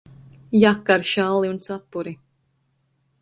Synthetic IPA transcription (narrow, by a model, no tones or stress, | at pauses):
jakːaɾʃalˠiunt̪sapːuɾi